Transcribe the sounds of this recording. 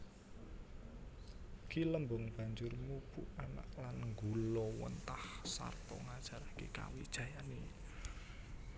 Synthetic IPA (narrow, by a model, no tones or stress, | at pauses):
kiləmbʊŋb̥a̤ɲd͡ʒʊrmub̥uʔana̰ʔlanŋɡulɔwə̰nt̪ahsa̰rt̪ɔ̰ŋad̥ʒ̥ä̤ɾakeka̰wid̥ʒ̥ä̤jani